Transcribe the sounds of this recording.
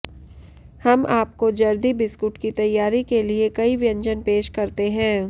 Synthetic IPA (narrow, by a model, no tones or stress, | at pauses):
hɐmʔaːp̚kod͡ʒɐɾd̪ibɪskʊʈkit̪ɐjːaːɾikeliekɐiʋɪjɐ̃ɲd͡ʒənpeːʃkɐɾt̪eɦɛ̃ː